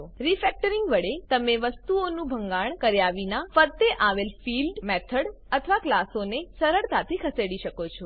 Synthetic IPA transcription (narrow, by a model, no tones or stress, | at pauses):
oɾifɛk̚ʈəɾiŋɡʋəɽet̪əmeʋəst̪uonũbʱəŋɡaɳ̃kəɾjaʋinafəɾt̪eʔaʋelfilɖmɛt̪ʰəɽət̪ʰəʋaklasonesəɾəɭt̪at̪ʰikʰəseɽiʃəkot͡ʃʰo